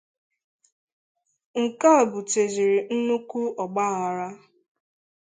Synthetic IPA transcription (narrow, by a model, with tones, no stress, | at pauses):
ŋ̩˨ka˦˨bʊ˨te˨zi˨ɾi˨n̩˦nu˦ku˦ɔ˨ɡ͡ba˦ɣa˨ɾa˦